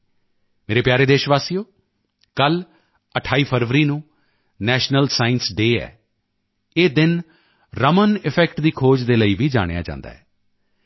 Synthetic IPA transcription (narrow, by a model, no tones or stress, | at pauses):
meːɾeːpjaːɾeːd̪eːʃʋaːsiːjoː | kəl | əʈʰaːiːpʰəɾʋəɾiːnũː | nɛːʃnəlsaːɪnsɖeːɛ̰ː | eːd̪ɪn | ɾəmənɪpʰɛːkʈd̪iːkʰoːd͡ʒd̪eːləiːʋiːd͡ʒa̰ːɽ̃ḛja̰ːd͡ʒã̰ːnd̪a̰ːɦɛː